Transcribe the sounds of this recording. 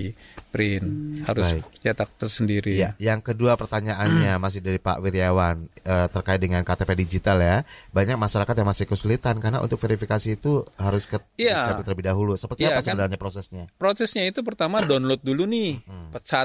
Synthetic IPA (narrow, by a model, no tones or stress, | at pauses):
pɾɪnhaɾʊbasit͡ʃat̪ak̚t̪ərsəndiɾijajaŋkəduapərt̪aɲaʔanɲamas̬ɪhdaɾipa̰ʔwiɾiawanət̪ərkaɪt̪̚dəŋankat̪epedid͡ʒit̪aljabaɲak̚maʃaɾakat̪̬jaŋmasɪhkəsulit̪ankaɾəna̰ʔṵt̪ʊkfeɾifikasiːt̪uɦaɾʊskəiat͡ʃaɪt̪ələbidaɦulusəpərt̪iapasəəlaɲapɾosɛsɲapɾosɛsɲait̪up̬ərt̪amadɔnlɔt̪̚dulunɪhsa